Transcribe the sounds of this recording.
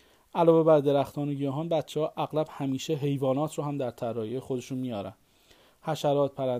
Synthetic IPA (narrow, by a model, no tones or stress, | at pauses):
ʔælɒːve̞bæɾd̪e̞ɾæxt̪ʰɒːneɡɒːɦɒnbæt̪t͡ʃʰːehɒːʔæɣlæb̥hæmiːʃe̞ɦe̞jvɒːnɒːt̪ʰɾoːɦæmd̪æɾt̪ʰæɾːɒːjejxo̞d̪e̞ʃunmijɒːɾæ̰n | hæʃæɾɒːt̪̚pʰæɾæ